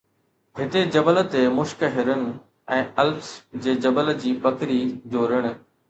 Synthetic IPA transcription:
ɦɪt̪ed͡ʑɐbələt̪emʊʃkəɦɪɾənɪ̆ | ɛ̃ːɐlfsd͡ʑeːd͡ʑɐbələ̆d͡ʑiːpɐkɾid͡ʑoːɾɪɽ̃̆

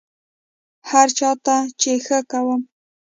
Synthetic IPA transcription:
haɾt͡ʃat̪at͡ʃexakawam

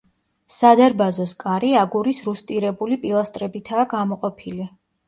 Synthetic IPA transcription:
sad̪aɾbazɔskʼaɾiaɡuɾisɾust̪ʼiɾɛbulipʼilˠast̪ʼɾɛbit̪ʰaːɡamɔqʼɔpʰili

